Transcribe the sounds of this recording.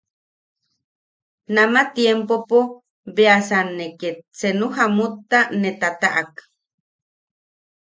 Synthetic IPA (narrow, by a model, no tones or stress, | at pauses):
namat̪jempopo | beasanːeket̪̚senuɦamut̪ːanet̪at̪aʔak